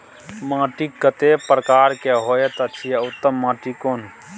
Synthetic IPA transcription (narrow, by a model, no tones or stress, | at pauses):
mãːʈikkːət̪epɾəkaːɾkeɦojet̪ət͡ʃʰijaut̪ːəmːãːʈikoːn